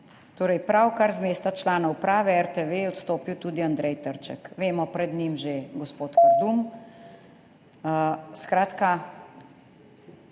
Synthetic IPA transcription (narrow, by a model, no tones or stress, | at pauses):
t̪oːɾɛjpɾawkaɾzmeːst̪at͡ʃlaːnɔwpɾaːʋɛɛɾt̪eʋeɔt̪st̪oːpiwt̪uːd̪iand̪ɾɛjt̪əɾt͡ʃɛ̰kʋeːmɔpɾɛd̪nimʒeɡɔspoːt̪kaɾd̪um | skɾaːt̪ka